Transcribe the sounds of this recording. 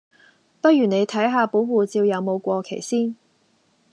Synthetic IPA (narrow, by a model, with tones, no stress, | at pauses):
pɐ˥t̚jyː˨˩ne˨˧jt̪ʰɐ˨˥jɦaː˨˧po˨˥wwuː˨t͡siː˧wjɐ˨˧wmo˨˧wkʷɔː˧kʰe˨˩jsiː˥n